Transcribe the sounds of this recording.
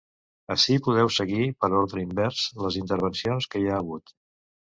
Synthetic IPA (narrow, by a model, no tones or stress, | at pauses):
əʃipuð̞ɛwsəɣipəɾolˠt̪ɾəimbɛɾz̥ləzint̪əɾβ̞ənsionskəiaːɣut̪